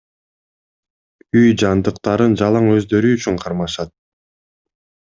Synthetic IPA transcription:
yjd͡ʒɑnd̪ɯqt̪ɑɾɯnd͡ʒɑlˠɑŋø̞zd̪ø̞ɾyːt͡ʃyɴqʰɑɾmɑʃɑt̪̚

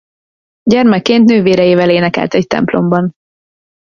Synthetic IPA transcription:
ɟɛrmɛkːeːnt̪nøːveːɾɛjeːvɛleːnɛkɛ̰lt̪ɛct̪ɛ̰mplo̞mbɒn

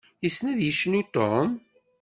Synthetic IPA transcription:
jisnæðjəʃːnut̪om

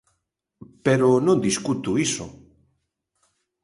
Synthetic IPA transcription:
peɾonõnd̪iskut̪uiso

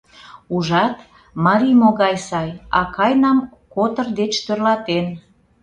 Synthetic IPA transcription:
uʒɑt̪ | mɑɾimoɣɑjsɑjɑ̰kɑjnɑm | kot̪ərd̪et͡ʃt̪ørlɑt̪en

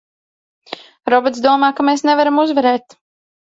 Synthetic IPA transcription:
ɾɔbɔt̪d̪uɔmaːkameːsnevaɾamuzvɛɾɛːt̪

